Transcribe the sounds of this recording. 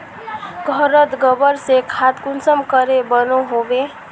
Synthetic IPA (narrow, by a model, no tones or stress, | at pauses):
ɡʱəɾət̪ɡəbəɾsekʰat̪kʊnsəmkəɾebənoɦobe